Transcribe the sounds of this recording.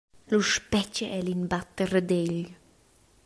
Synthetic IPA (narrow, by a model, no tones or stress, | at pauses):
luʃpɛt͡ʃəʔɛlinbat̪ərəd̪eʎ